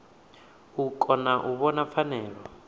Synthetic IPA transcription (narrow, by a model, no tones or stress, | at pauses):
ukʰʼɔnaʔuβɔnafanɛːlɔ